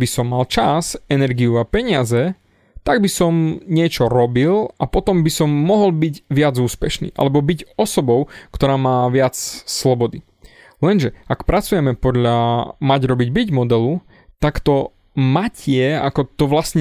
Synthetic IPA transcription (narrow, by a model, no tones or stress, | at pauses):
bisɔmːalt͡ʃazɛnɛɾɡiuapɛɲɪazɛ | t̪aɡ̚bisɔmɲɪɛt͡ʃɔɾɔbilapɔt̪ɔmbisɔmːɔɦɔlbiɟʋɪad͡zuːspɛʃnḭːʔa̰lɛbɔbiɟɔsɔbɔʊkt̪ɔɾaːmaːʋɪat͡sslɔbɔd̪i | lɛnʒɛakpɾat͡sujɛmɛpɔd̪ʎamaɟɾɔbiɟbiɟmɔd̪ɛlu | t̪akt̪ɔ | macɪɛa̰kɔt̪ɔʋlasɲɛ